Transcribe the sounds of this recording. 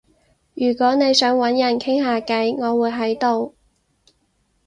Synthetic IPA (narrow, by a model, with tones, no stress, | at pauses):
jyː˨˩kʷɔː˨˥ne˨˧jsœː˨˥ŋwɐ˨˥njɐ˨˩nkʰɪ˥ŋɦaː˧kɐ˨˥jŋɔː˨˧wuː˨˧jɦɐ˨˥jt̪o˨w